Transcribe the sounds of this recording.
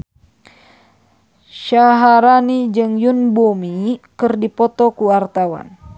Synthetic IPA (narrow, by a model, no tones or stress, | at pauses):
ʃaɦaɾanid͡ʒɨŋjunbumikɨrdipɔt̪ɔkuart̪awa̰n